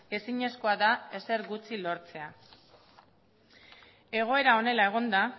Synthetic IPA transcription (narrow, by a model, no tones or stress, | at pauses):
e̞siɲe̞sko̞aðae̞se̞ɾɣut͡silo̞ɾt͡se̞a | e̞ɣ̞o̞e̞ɾao̞ne̞lae̞ɣ̞o̞nd̪a